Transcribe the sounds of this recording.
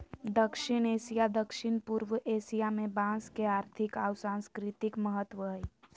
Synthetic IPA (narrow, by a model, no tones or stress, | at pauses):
d̪əkʃɪɽ̃eːʃijad̪əkʃɪñpuɾwəʔeːsijamẽbãːskeaːɾt̪ʰɪkaːwsãːnskɾɪt̪ɪkməɦət̪ʋəɦi